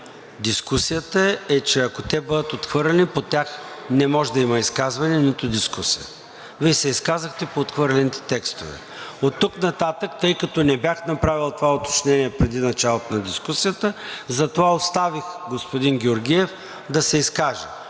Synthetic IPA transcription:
d̪iskusijət̪əɛt͡ʃɛɐkot̪ɛbɤd̪ət̪ot̪xvɤɾlɛnipot̪ʲaxnɛmɔʒɛd̪ɐimɐiskazvɐnɛnit̪ʊd̪iskusijə̰ | visɛiskazəxt̪ɛpoːt̪xvɤɾlʲɛnit̪ɛ̥t̪ɛkst̪ovɛ̰ | ot̪ːuknɐt̪at̪əkt̪ɤjkɐt̪ɔnɛbʲjaxnɐpɾavilˠt̪ovaot̪o̥t͡ʃnɛniɛpɾɛd̪inɐt͡ʃalˠot̪onɐd̪iskusijət̪əzɐt̪ovaost̪avixɡospod̪inɡʲɛoɾɡʲiɛf | d̪ɐsɛiskaʒɛ

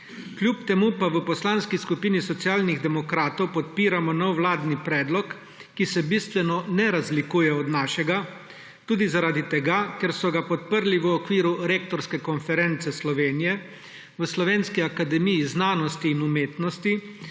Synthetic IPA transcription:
klʲjupt̪ɛmupaʋəpɔslaːnskiskupiːnisɔt̪siaːlniɣd̪ɛmɔkɾaːt̪ɔwpɔt̪piːɾamɔnɔwlaːd̪nipɾɛːd̪lɔkː | isɛbist̪ʋɛnɔnɛɾazlikuːjɛɔd̪naːʃɛɡa | t̪uːd̪izaɾaːd̪it̪ɛɡakɛɾsɔɡapɔt̪̚pəɾliʋəɔkʋiːɾuɾeːk̚t̪ɔɾskɛkɔnfɛɾɛnt̪sɛslɔʋeːnijɛ | ʋəslɔʋeːnskiakad̪ɛmijiznaːnɔst̪iːnumeːt̪nɔst̪i

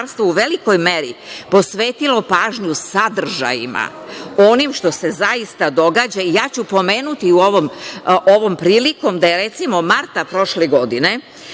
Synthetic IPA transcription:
ɾst̪ʋouʋe̞liko̞jme̞ɾipo̞sʋeːt̪ilo̞paːʒɲusad̪r̩ʒa̰jḭma̰ | o̞nimʃt̪o̞se̞zajist̪ad̪o̞ɡaːd͡ʑaijaːt͡ɕupo̞me̞ːnut̪iuoʋomʔo̞ʋo̞mpɾiːliko̞md̪aje̞ɾe̞t̪simo̞maɾt̪apɾo̞ʃleɡo̞d̪ine̞

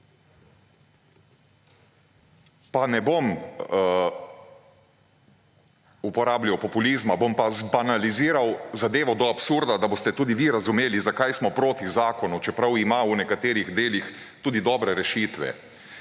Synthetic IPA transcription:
panɛbom | upɔɾaːblʲjawpɔpulizmabompazbanaliziːɾawzad̪eːʋɔd̪ɔapsuɾd̪ad̪abost̪ɛt̪uːd̪iʋiɾazumeːlizakajsmɔpɾoːt̪izaːkɔnut͡ʃɛpɾawimaunɛkat̪eːɾiɣd̪eːlixt̪uːd̪id̪ɔːbɾɛɾɛʃit̪ʋɛ̰

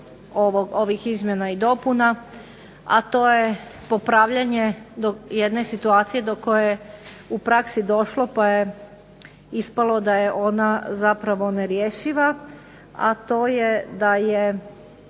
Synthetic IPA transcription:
oʋoɡoʋixizmjenaid̪o̞puna | a̰t̪o̞ːjepo̞pɾaʋʎaɲed̪ojed̪ne̞sit̪uaːt̪sije̞d̪o̞ko̞jeje | upɾaksid̪o̞ʃlo̞paje | ispalˠo̞d̪ajeʔo̞nazapɾaʋo̞neɾjeʃiʋa | a̰t̪o̞ːjed̪aje

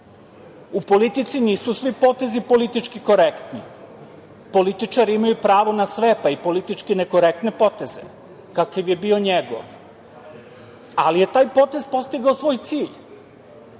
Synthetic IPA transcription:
upo̞lit̪it̪siniːsusʋipo̞t̪e̞zipo̞lit̪it͡ʂkiko̞ɾekt̪ni | po̞lit̪it͡ʃaɾiimajupɾaːʋo̞nasʋe̞paipo̞lit̪it͡ʃkineko̞ɾek̚t̪ne̞po̞t̪e̞ze̞̰ | kakaʋje̞bio̞ɲeɡo̰ʋ | alije̞t̪aːjpo̞t̪e̞zpo̞st̪iɡaosʋo̞ːjt̪siːʎ

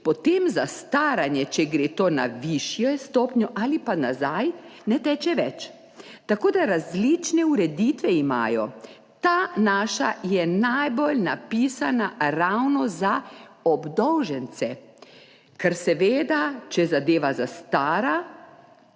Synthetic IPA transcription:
pɔt̪eːmzast̪aːɾanjɛt͡ʃɛɡɾeːt̪oːna̰ʋiʃjɛst̪oːpnʲjɔʔalipanazajnɛt̪ɛːt͡ʃɛʋɛt͡ʃ | t̪akoːd̪aɾazlit͡ʃnɛuɾɛd̪iːt̪ʋɛima̰ːjɔ̰ | t̪aːnaːʃa̰jɛnajbolnapiːsanaɾawnɔzaɔbd̪ɔwʒɛnsɛ | kɛɾsɛʋeːd̪at͡ʃɛzad̪eːʋazast̪aːɾa

